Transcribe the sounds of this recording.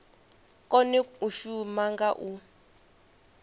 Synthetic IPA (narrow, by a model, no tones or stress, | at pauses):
kʼɔnɛuʃumaŋɡaʔu